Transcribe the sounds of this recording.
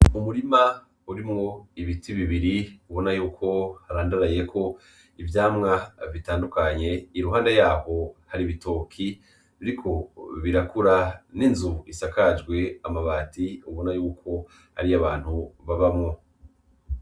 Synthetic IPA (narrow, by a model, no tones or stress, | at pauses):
umuɾima | uɾimŋo̞iβitʰiβiβiɾiuβo̞najuːkʰo̞haɾaːndaɾaje̞kʰo̞ | ivjaːmŋavitaːndukaɲe̞iɾuɦaːndajaːho̞haɾiβito̞kʰi | βiɾikʰo̞βiɾakuɾaninzuisakad͡ʒɡwe̞amaβaːtiuβo̞najuːkʰo̞ | ha̰ɾiaβaːn̥huβaβamŋo̞